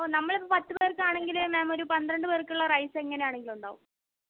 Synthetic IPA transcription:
oːnɐmːɐɭipːopɐt̪ːɨpeːrkːaːɳe̞ŋɡilmemoɾupɐnd̪ɾɐɳɖɨpeːrkːuɭːɐrɐjse̞ŋːɐnejaːɳe̞ŋɡiluɳɖa̰ːʋum

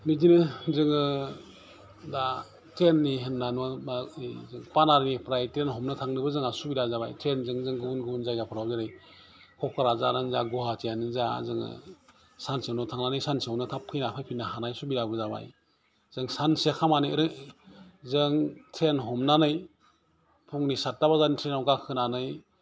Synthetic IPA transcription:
midinɯzɯŋɯ | da | tenːiɦɯnːanaazɯŋpanaɾnipɾajtɾenɦɔmnɯtʰaŋnɯbɯzɯŋasubiɾazaba̰jtʰɾenzɯŋzɯŋɡɯbunɡɯbunzajɡapʰɯɾawzɯɾɯj | kʰɔkʰaɾazanɯnzaɡuhatijanɯnzazɯŋɯ̰ | sansewnɔtʰaŋnanɯjsansiewnɯtʰap̚kʰɯjnapʰajpʰinːaɦanajsubiɾabɯzaba̰j | z̥ɯŋsansekʰamanɯjɾɯ | zɯŋtʰɾenɦɔmnanɯj | pʰuŋnisat̚dabazanitʰɾenawɡakʰɯnanɯj

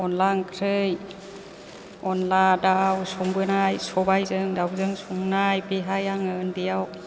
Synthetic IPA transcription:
ɔnlaŋkʰɾɯj | ɔnladawsuŋbɯnajsɔbajzɯŋdawzɯŋsuŋnajbiɦajaŋɯndijaw

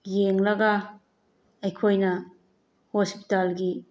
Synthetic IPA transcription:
jeŋlɐɡɐ | ɐjkʰojnɐ | hospi̥talɡi

